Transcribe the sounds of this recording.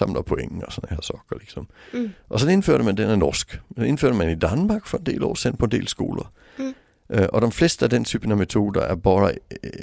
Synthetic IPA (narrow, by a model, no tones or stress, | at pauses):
ɑ̈m̰lɐpʰoeŋ̰ɒsɔndhæɐsɒɡ̥ɐliɡ̥sɒ̽mʔɒ̽sɒ̽ne̝nføɐ̰ɾ̥əmænd̥enæɐnɔsɡ̥ne̝nføɐ̰ɾ̥əmænid̥ænmɑ̈ːɡ̥fɒ̽e̝nd̥e̝̰ːlɒ̰ːsenpʰɒende̝̰ːlsɡ̥o̝̰ːlɐ | ʔʔɒ̽ɾ̥emfle̝ːsd̥əæɐdent͡sʰyːb̥ənæmet͡sʰo̝̰ːdəæɐb̥ɑːðɐ